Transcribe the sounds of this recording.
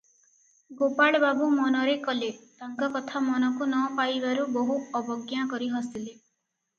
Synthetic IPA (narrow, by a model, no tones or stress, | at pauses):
ɡopaɭbabumɔnɔɾekɔlet̪aŋkɔkɔt̪ʰamɔnɔkunɔpajbaɾuboɦuɔbɔɡjakɔɾiɦɔst̪ile